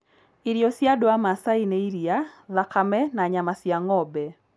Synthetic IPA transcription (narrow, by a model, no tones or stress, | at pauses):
iɾjɔsjadɔamasaineiɾiaðakamɛnaɲamasjaŋɔbɛ